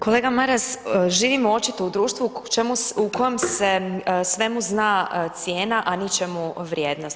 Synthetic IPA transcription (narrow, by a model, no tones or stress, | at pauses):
ko̞leːɡamaɾasʒiːʋimoo̞t͡ʃit̪o̞ud̪ɾuːʃt̪ʋut͡ʃemuukʰojomsesʋe̞muznaːt̪sjeːnaʔanit͡ʃemuʋɾjeːd̪nos